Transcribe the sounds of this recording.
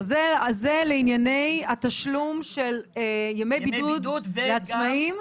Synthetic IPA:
zezeleinjanejat̪aʃlumʃeljemejbid̪ud̪leat͡smaim

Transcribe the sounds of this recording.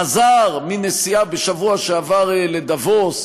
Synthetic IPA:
azaʁminesiabeʃavuaʃeavaʁeled̪avos

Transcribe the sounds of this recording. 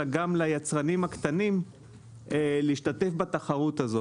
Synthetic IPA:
aɡamlajat͡sʁanimhakt̪anim | eliiʃtat̪e̞fbat̪aχaʁut̪azo

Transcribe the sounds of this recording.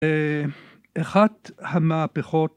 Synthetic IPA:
e | eχadhamaapeχot

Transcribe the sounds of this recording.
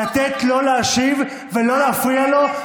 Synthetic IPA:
at̪et̪lo̞leːʃiv | velo̞leafʁialo̞

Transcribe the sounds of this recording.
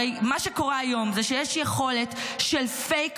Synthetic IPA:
ejmaʃeko̞ʁaajo̞mzeʃejeʃjeχo̞le̞tʃelfejk

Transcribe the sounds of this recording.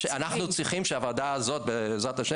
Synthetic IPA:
ʃanaχnut͡sʁiχimʃeavad̪aːzo̞t̪̚bezʁat̪aʃe

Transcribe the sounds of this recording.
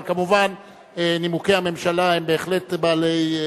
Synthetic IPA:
kamuvan | enimukehame̞mʃalaembe̞ːχle̞tbaːle̞j

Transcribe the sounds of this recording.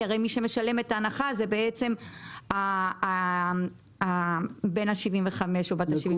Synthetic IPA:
aʁejmiʃe̞meʃale̞metaːnaχazebe̞et͡se̞ma | be̞naʃivimveχame̞ʃobat̪aʃivi

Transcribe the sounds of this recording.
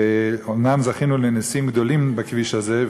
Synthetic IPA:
eomnamzaχinulenisimɡd̪olimbakviʃaze

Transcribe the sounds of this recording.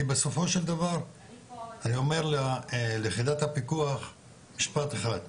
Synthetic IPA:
beso̞fo̞ʃeld̪avaʁ | anio̞me̞ʁlaleχid̪at̪hapikuaχ | miʃpat̪eχad̪

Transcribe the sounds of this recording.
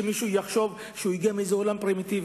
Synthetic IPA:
emiʃujaχʃo̞v | ʃeuiɡiamiezeolampɾimit̪iv

